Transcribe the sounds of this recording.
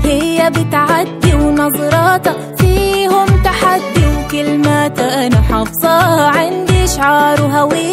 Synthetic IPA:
hɪjːabɪt̪ʕad̪ːiwnɑzˤɑɾˤɑːt̪a | fiːhʊmt̪aħad̪ːiwkɪlmat̪ʔanaħɑfsˤɑːhʕɪnd̪iʔʃʕɑːɾˤɦawiː

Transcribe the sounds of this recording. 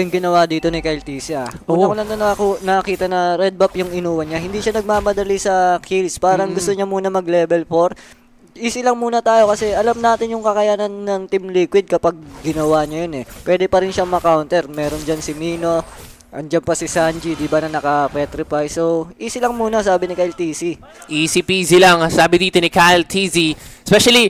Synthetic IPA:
ʊŋɡɪnɐwad̪iːt̪o̞nɪkɐjlt̪iːsɐʔokʊlɐnt̪onɐkonɐɐkiːt̪ɐnɐɾɛd̪̚bɐpjʊŋɪnuːwɐnɲahɪnd̪iʃanɐɡ̚maːmɐd̪ɐlisɐkʰilspaːɾɐŋɡʊst̪oɲɐmuːnɐmɐɡ̚lɛːbɛlfoɾ | ʔiːsɪlɐŋmuːnɐt̪aːjo̞kɐsɛʔɐlamnaːt̪ɪnjʊŋkɐkɐjaːnɐnːɐŋt̪ɪmlikwɪd̪̚kɐpaɡ̚ɡɪnɐwaːɲɐjonɛpwɛːd̪ɛpɐɾɪnʃaŋmɐkawnt̪ɛɾmɛːɾo̞nd͡ʒɐnsɪmiːno̞ | ʔɐnd͡ʒampɐsɪsand͡ʒid̪ɪbanɐnɐkɐpɛːt̪ɾɪfajsoʔiːsɪlɐŋmuːnɐsaːbɪnɪkalt̪iːsi | ʔiːsipiːsilaŋsaːbɪd̪iːt̪o̞nikalt̪ʰisiɛspɛʃɐli

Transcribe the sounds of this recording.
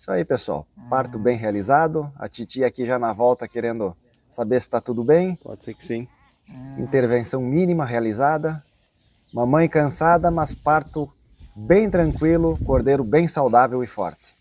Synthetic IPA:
sɔ̰ipesua̰wpaɾt̪ʊbẽj̃ɦealizad̪ʊɐ̰t͡ʃit͡ʃiɐakiʒanɐvɔwt̪ɐkeɾẽnd̪ʊ | sabesɪ̥t̪at̪ud̪ʊbẽj̃pɔ̰d͡ʒseɾkɪ̥sĩ | ĩnt̪eɾvẽsɐ̃w̃mĩnimɐɦealizad̪ɐ | mɐ̃mɐ̃j̃kɐ̃sad̪ɐmɐspaɾt̪ʊ | bẽj̃t̪ɾɐ̃ŋkwilʊkoɾd̪ejɾʊbẽj̃sawd̪avewɪfɔ̰ɾt̪ɪ̥

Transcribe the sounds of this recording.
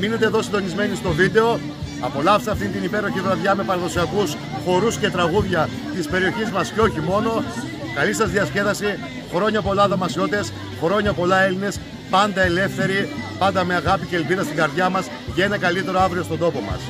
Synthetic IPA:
minet̪eðo̞sind̪o̞nizme̞nist̪o̞vid̪e̞o̞ | ɐpo̞lɐfseɐft̪int̪inipe̞ɾo̞çivɾɐðʝɐme̞pɐɾɐðo̞siɐkus | xo̞ɾusce̞t̪ɾɐɣuðʝɐ | t̪ispe̞ɾio̞çizmɐsceoçimo̞no̞ | kɐlisɐzðiɐsce̞vɐsi | xɾo̞ɲɐpo̞lɐðomɐsio̞t̪es | xɾo̞ɲɐpo̞lɐe̞line̞s | pɐnd̪ɐe̞le̞fθe̞ɾipɐnd̪ɐme̞ɐɣɐpiceːlpiðɐst̪iŋɡɐɾðʝɐmɐs | ʝɐenɐkɐlit̪e̞ɾo̞ɐvɾio̞st̪od̪o̞po̞mɐ̰s

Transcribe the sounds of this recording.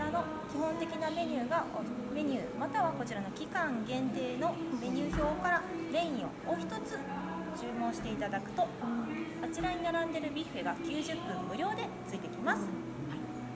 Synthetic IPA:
ano̞ | kʲiɦõ̞nt̪e̞kʲiname̞ɲ̟ʲɯːɡaome̞ɲ̟ɨːmat̪aβako̞t͡ɕiɾano̞kʲikãŋɡẽ̞nt̪e̞ːno̞ | me̞ɲ̟ʲɨːço̞ːkaɾaɾẽ̞ĩo̞̰oçi̥t̪o̞t͡sɨ | d͡ʑɨːmõ̞ːɰ̃ɕi̥t̪e̞it̪ad̪akɯ̟̥t̪o̞hat͡ɕiɾaɲ̟inaɾãnd̪e̞ɾɯ̟bʲiɸeɡakʲɨːʑɨpːɯ̟̃mːɯ̟ɾʲjo̞ːd̪e̞t͡sɨit̪e̞kʲimasɨ̥

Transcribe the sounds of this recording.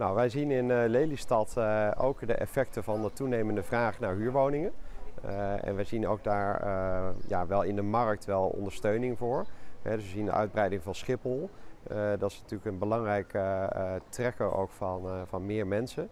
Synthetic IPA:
nowʋɛjzinɪnlejlistɑto̰wkdə̰ʔɛ̰fɛk̚təvɑndətunejməndəvraːχnaːɹɦyːɹʋownɪŋən | ɛ̰nʋəjzino̰wk̚daːɹ | jaʋɛlˠɪndəmɑrək̚tʋɛlˠɔ̰ndəɹstøɥnɪŋvʊːɹɦɛdʏsʋəzində̰ʔœɥd̚brɛjdɪŋvɑnsχɪpəlˠ | dɑtɪsnatyːɹləkənbəlɑŋrɛjk | trɛkəʔo̰wkfɑnvɑnmɪːɹmɛnsə

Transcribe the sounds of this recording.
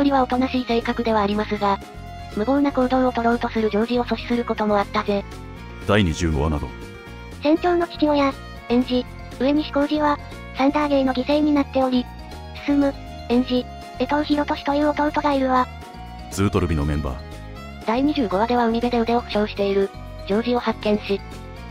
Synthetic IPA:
jo̞ɾʲiβao̞t̪o̞naɕiːse̞ːkakɯ̟d̪e̞βaːɾʲimasɨɡa | mɯ̟ɡo̞ːnakoːd̪o̞ɰ̃o̞t̪o̞ɾo̞ɯ̟t̪o̞sɨɾɯ̟d͡ʑo̞ːʑio̞so̞ɕi̥sɨɾɯ̟ko̞t̪o̞mo̞at̪ːaze̞ | d̪̥aiɲ̟iʑɨːɡo̞̰βa̰na̰d̪o̰ | sẽ̞ɲ̟t͡ɕo̞ːno̞kʲi̥kʲiooːja | ẽ̞ɲ̟d͡ʑi | ɯ̟e̞ɲ̟iɕi̥ko̞ːʑiβa | sãnt̪aːɡe̞ːno̞ɡʲise̞ːɲ̟inat̪ːeo̞ɾʲi | sɨ̥sɨmɯ̟ | ẽ̞ɲ̟d͡ʑi | et̪oɾɯ̟çiɾo̞t̪o̞ɕi̥t̪oio̞t̪o̞ɾɯ̟t̪o̞ɡaiɾɯ̟βa | t͡sɨːt̪o̞ɾɯ̟bʲino̞̰mẽ̞mba̰ː | d̪̥aiɲ̟iʑɨːɡo̞βad̪e̞βaɯ̟ɲʲibe̞d̪e̞ɯ̟d̪eokɯ̟̥ɕo̞ːɕi̥t̪e̞iɾɯ̟ | d͡ʑo̞ːʑio̞hakːẽ̞ɰ̃ɕi

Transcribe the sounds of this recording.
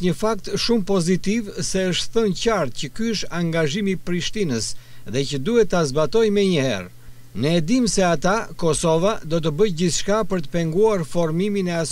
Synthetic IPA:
ɲəfak̚t̪ʃumpɔzit̪ivsɛəʃt̪θəncaɾt̪̚cəkyʃaŋɡaʒimipɾiʃt̪inəsðɛcəd̪uhɛt̪azbat̪ɔjmɛɲəhɛ̰ɾ | nəːd̪imsɛat̪akɔsɔvad̪ɔt̪̬əbəjɟiθʃkapəɾt̪ə̥pɛŋɡuaɾfɔɾmiminɛas

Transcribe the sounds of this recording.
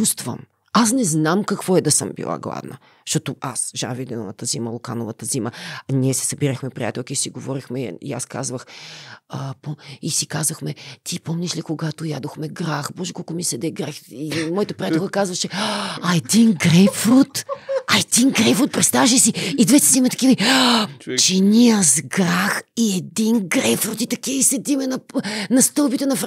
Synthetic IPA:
t͡ʃust̪və̰m | asnɛznamkɐkvɔɛd̪ɐsɤ̰mbḭlˠa̰ɡlˠa̰vnə̰ | ʃt̪ɔt̪ʊasʒa̰nvid̪ɛlˠnɐt̪əziməlˠʊkanovət̪əziməniɛsɛ̥sɐbiɾəxmɛpɾʲija̰t̪ɛlˠkiisiɡovɔɾixmɛḭaska̰zvəxəpoisikazvəxmɛt̪ʰipomnʲiʃlikoɡat̪ʊjad̪oxmɛɡɾaxbɔʒɛkɔlˠkʊmisɛd̪ɛɡɾaximɔjɐt̪əpɾijat̪ɛlˠkəkazvɐʃɛɐɛd̪inɡɾɛjpfɾut̪ɐɛd̪inɡɾɛjpfɾut̪̚pɾɛt̪st̪avəʃɛsiid̪vɛt̪ɛ̥simɛt̪ɐ̥kivəi | t͡ʃɛnʲiəzɡɾaxiɛd̪inɡɾɛjpfɾut̪it̪ɐkiisɛd̪imɛnɐnɐst̪ɤlˠbit̪ɛnɐfɾ

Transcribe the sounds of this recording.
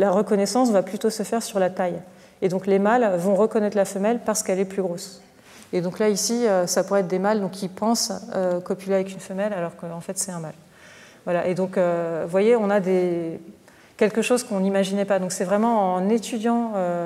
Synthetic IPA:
laʁəkɔnɛsɑ̃svaplyt̪osəfɛʁsyʁlat̪aj | ed̪ɔ̃klemalvɔ̃ʁəkɔnɛt̪χlafəmɛlpaʁsə̥kɛlɛplyɡʁos | ed̪ɔ̃klaisiøsapuʁɛt̪̚d̪emald̪ɔ̃kipɑ̃søkɔpileavɛkʲynfəmɛlalɔʁkəɑ̃fɛt̪sɛt̪ɛ̃mal | vwalaʔed̪ɔ̃køvwajeɔ̃nad̪e | kʲɛlkəʃozkɔ̃nimaʒinɛpad̪ɔ̃ksɛvʁɛmɑ̃ːnet̪yd̪jɑ̃ø

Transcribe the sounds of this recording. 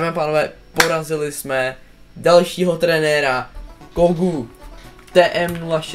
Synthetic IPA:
mɛapaːnovɛːpo̞ɾazɪlɪsmɛ | dalʃiːɦo̞t̪ɾɛnɛɾakoɡu | t̪ɛːʔɛmnulaʃ

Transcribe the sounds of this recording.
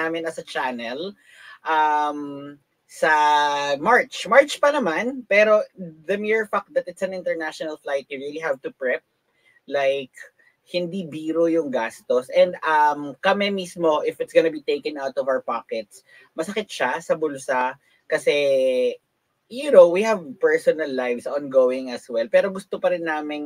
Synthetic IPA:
aːmɪnːɐsɐt͡ʃanɛl | ʔɐm | sɐmaɹt͡ʃmaɹt͡ʃpɐnɐmanpɛːɾo̞ðɐmiɹfak̚t̪̚d̪ɐt̪ɪt̪sɐ̃nɪ̃nt̪ɛɹnaʃonɐlflajt̪̚juɹiliɦavt̪ʊpɹɛp̚ | lajk | hɪnd̪ibiːɾojʊŋɡast̪osʔɛ̃nd̪ɐmkɐmɛmismo̞ʔɪfɪt̪sɡɐnɐbit̪ejkɛ̃nawt̪ɔvawə˞paːkɛt̪s | mɐsɐkɪt̪̚ʃasɐbʊlsa | kɐsɛ | jʊnowwihɐvpɛɹsɔnɐlːajvsʔɔ̃nɡoːwɪ̃ŋɐswɛlpɛːɾo̞ɡʊst̪opɐɾɪnːaːmɪn

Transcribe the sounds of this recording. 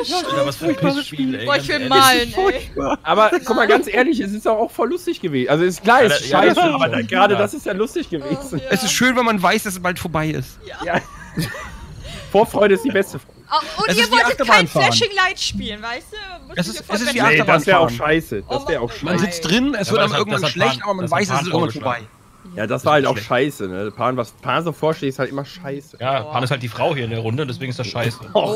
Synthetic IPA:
vasfʊçbaʃpiːloːɪçv̥ɪlmaːlnfʊɐçb̥aʔaːbɐkʰɔmaɡant͡sʔeːɐlɪçɛs̬ɪstaʊxaʊxfɔlːʊstɪçɡ̥əveːz̩ʔalzoɛsɪstklaɐɪaɪsəʔaːbɐdɡəʁaːdədasɪstjaːlʊstɪçɡ̥əveːzn̩ʔɛsɪstʃøːnvɛlmanvaɪsd̥as̬ɛsb̥altfoːɐbaɪɪ̰stːjaː | foːɐfʁ̥ɔʏɾəɪstd̥iːbɛstəfʁaʊʊɛsɪstiːaxtɐbaːnfaːnɪŋlaɪtʃpiːlənvaɪstuɛsɪsʔɛs̬ɪsv̥iːʔaɐdasnvɛːʁaʊʃaɪsəd̥asv̥ɛːɐʁaʊxʃmanzɪt͡std̥ʁɪnɛsvɪɐtamɪɐɡŋ̩tvaʃlɛttʔaːbɐmanvaɪsdassɪɐɡŋnvafoɐbaɪ | jaːdasv̥aːɐhaltaʊʃaɪsənəpʰaːnvaspʰaːnzofoːɐʃleːɪshaltʔɪmɐʃaɪsəjaːpʰaːnɪsthalt̚d̥iːfʁ̥aʊɦhiːɐɪndeːɐʁʊndəʊntdɛsv̥eːɡŋ̩ɪstd̥asʃaɪsə

